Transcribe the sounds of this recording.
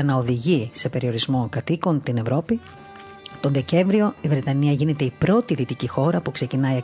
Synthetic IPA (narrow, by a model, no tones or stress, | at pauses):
ɐnɐoðiʝise̞pe̞ɾio̞ɾizmo̞kɐt̪iko̞nt̪ine̞vɾo̞pi | t̪o̞nðe̞ce̞ɱvɾio̞ivɾe̞t̪ɐniɐʝine̞t̪e̞ipɾo̞t̪iðit̪icixo̞ɾɐpukse̞cinɐiɐ